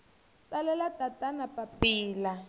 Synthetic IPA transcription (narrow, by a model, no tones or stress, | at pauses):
t͡salɛlatatanapapiːla